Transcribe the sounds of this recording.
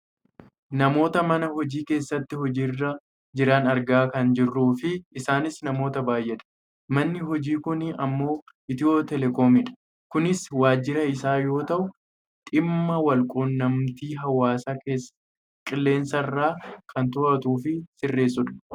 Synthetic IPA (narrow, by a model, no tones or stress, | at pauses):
nɐmo̞ːt̪ɐmɐnɐhɔd͡ʒiːke̞ːsːɐt̪ːɪhɔd͡ʒiːrːɐ | d͡ʒɪɾɐnɐɾɡaːkɐnd͡ʒɪrːuːfɪɪsaːnɪsnɐmo̞ːt̪ɐbaːjʔɛᶑ̪ɐ̥ | mɐnːɪɦɔd͡ʒiːkʊnɐmːo̞ː | ʔɪt̪ɪoːt̪ɛlɛko̞ːmɪᶑɐ̥ | kʊnɪswaːd͡ʒːɪɾɐɪsaːjo̞ːt̪ɐʔʊ | t̪ʼɪmːɐwɐlkʼoːnːɐmt̪iːɦɐwaːsaːke̞ːsː | kʼɪlːe̞ːnsɐrːaːkʰɐnt̪ʊʔɐt̪uːfɪsɪrːe̞ːs̬ːʊᶑɐ̥